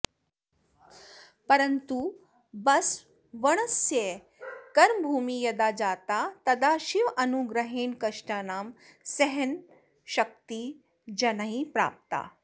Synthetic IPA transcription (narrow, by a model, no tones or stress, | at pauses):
pɐɾɐnt̪u | bɐs | ʋɐɳ̃ɐsje | kɐɾmbʱuːmijɐd̪aːd͡ʒaːt̪aːt̪ɐd̪aːʃiʋɐnuɡɾɐɦeːnkɐʂʈaːnaːmsɛɦɛn | ʃɐk̚t̪i | d͡ʒɐnaɦĩpɾa̰ːp̚t̪a̰ː